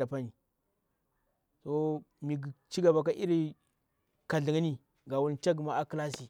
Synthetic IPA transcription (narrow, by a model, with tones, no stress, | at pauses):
a˨pa˦ni˨ | to˦mi˨ɡi˨t͡ʃi˦ɡa˨ba˨k̬a˦ʔi˦ɾi˦ | ka˨ɮi˨ŋi˦ni˨ | ɡa˨wu˦lt͡ʃa˦ɡi˨ma˦a˦kla˦si˨